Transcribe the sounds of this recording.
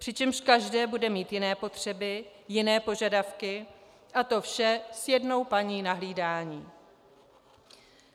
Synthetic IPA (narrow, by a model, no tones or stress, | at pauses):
pr̥ɪt͡ʃɛmʃkaʒdɛːbudɛmiːt̪jɪnɛːpo̞t̪r̝̥ɛbɪ | jɪnɛːpo̞ʒadafkɪ | ʔat̪o̞fʃɛsjɛdno̞wpaɲiːnaɦliːdaːɲiː